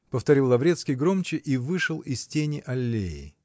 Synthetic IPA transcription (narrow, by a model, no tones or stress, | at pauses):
pəft̪ɐɾʲilˠːɐvɾʲe̞t̪skʲɪjɡɾo̞mt͡ɕɪʔivɨʂɨlˠɪsʲtʲenʲɪʔɐlʲːejɪ̰